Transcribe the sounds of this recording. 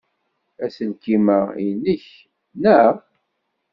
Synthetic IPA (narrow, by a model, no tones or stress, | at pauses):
æsəlkimæij̰nəç | næ